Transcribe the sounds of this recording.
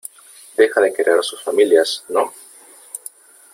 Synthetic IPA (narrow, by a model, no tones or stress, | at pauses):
d̪̥e̞xaðekɾeaɾasusfamiljasno